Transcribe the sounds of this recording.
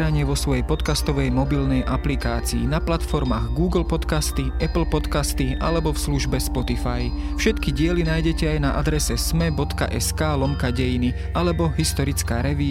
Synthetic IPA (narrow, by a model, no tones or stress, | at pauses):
ɾaɲɪɛʋɔsʋɔjɛjpɔt̪kast̪ɔʋɛjmɔbilnɛjʔaplikaːt͡sḭːnaplat̪fɔɾmaːɣɡuːɡl̩pɔt̪kast̪iʔɛpl̩pɔt̪kast̪iʔa̰lɛbɔfsluʒbɛspɔt̪ifajfʃɛt̪kiɟɪɛlinaːjɟɛcɛajnaʔad̪ɾɛsɛsmɛbɔt̪ka̰ʔɛskaːlɔmkaɟɛjini | ʔalɛbɔɦist̪ɔɾit͡skaːɾɛʋiː